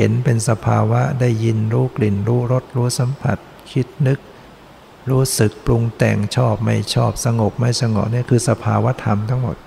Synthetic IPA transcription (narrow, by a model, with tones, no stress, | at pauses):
he˩˦npe˧nsa˧pʰaː˧wa˦˥da˥˩jːi˧nɾuː˦˥kli˨˩nɾuː˦˥ɾo˦˥t̪̚ɾuː˦˥sa˨˦mpʰa̰˨˩t̪̚ | kʰi˦˥t̪̚nɯ˦˥k̚ | ɾuː˦˥sɯ˨˩k̚plu˧ŋt̪ɛ̰ː˨˩ŋt͡ɕʰɔː˥˩p̚ma˥˩jt͡ɕʰɔː˥˩p̚sa˧ŋo˨˩p̚ma˥˩jsa˧ŋɔ̰˨˩ni˥˩ɐkʰɯː˧sa˧pʰaː˧wa˦˥t̪ʰa˧mt̪ʰa˦˥ŋmo̰˨˩t̪̚